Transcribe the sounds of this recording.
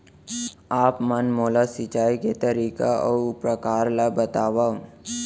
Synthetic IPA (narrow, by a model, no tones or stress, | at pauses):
aːpmənmoːlasɪt͡ʃaːiket̪ɐɾiːkaɔpɾɐkaːɾlabɐt̪aːʋaːu